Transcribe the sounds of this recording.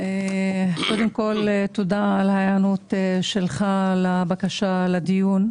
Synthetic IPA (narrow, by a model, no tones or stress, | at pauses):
eko̞d̪emko̞let̪od̪aːlhajanut̪eʃelχalabakaʃalad̪ijun